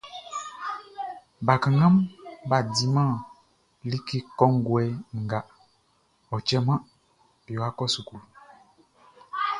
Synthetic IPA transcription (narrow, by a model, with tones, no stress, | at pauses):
ba˨kə˨ŋa˦mba˨di˦mã˦˨ | li˦ki˦kɔ˦ŋ˦ɡwɛ˦ŋ̩˨ɡa˨ʔ | ɔ˨t͡ʃɛ˦ma˦˨ | jɔ˨a˦kɔ˦su˨ku˨l